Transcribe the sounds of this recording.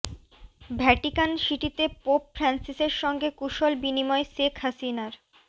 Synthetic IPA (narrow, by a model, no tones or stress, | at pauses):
bʱɛʈikanʃiʈit̪epopfɾansiseɾʃɔŋɡekuʃɔlbinimɔeʃekʰhasinaɾ